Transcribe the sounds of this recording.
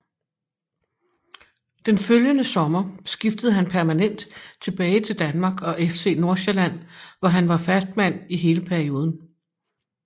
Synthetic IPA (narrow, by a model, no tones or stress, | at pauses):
d̥enføljənəsɒ̽mɐsɡ̥ifd̥əð̞̩ˠɦænpʰæɐmænen̰d̥t͡sʰe̝b̥ɛːɪt͡sʰe̝ld̥ænmɑ̈ːɡ̥ɒ̽ʔefse̝̰ːno̝ɐɕeɐlæn̰ʋɒɦænʋɑ̈fæsd̥mæn̰iɦe̝ːləpʰæɐio̝ːð̞ˠn̩